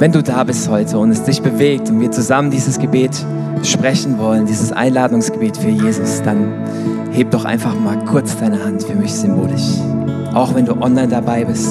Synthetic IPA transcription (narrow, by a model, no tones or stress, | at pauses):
vɛnduːdaːbɪsthɔʏtʰəʊntɛsd̥ɪçb̥əveːk̚tʊntv̥iːɐt͡suzaməndiːzəsɡ̥əbeːt | ʃpʁ̥ɛçn̩vɔləndiːzəsʔa̰ɪnlaːdʊŋsɡ̥əbeːtfyːɐjeːzʊsd̥an | heːp̚d̥ɔχʔa̰ɪnfaχmaːlkʰʊɐt͡sd̥aɪnəhantfyːɐmɪçz̥ʏmbo̰ːlɪʃ | ʔaʊxv̥ɛnduːʔɔnlaɪndabaɪbɪst